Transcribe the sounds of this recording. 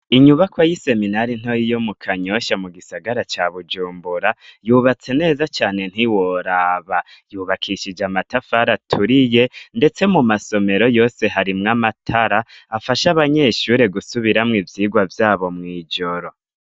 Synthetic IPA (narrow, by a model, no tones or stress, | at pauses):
iɲuβakwajise̞minaɾin̥ojijomukʰaɲo̞ʃamuɡisaɡaɾat͡ʃaβud͡ʒuːmbuɾajuːβat͡se̞ne̞ːzat͡ʃaːne̞n̥hiwo̞ɾaːβa | juːβakʰiʃid͡ʒamatafaɾatʰuɾije̞nde̞t͡se̞mumaso̞me̞ɾo̞jo̞ːse̞ɦaɾimŋamatʰaɾaːfaʃaβaɲe̞ʃuɾe̞ɡusuβiɾamŋivjiːɡwavjaːβo̞mŋiːd͡ʒo̞ɾo̞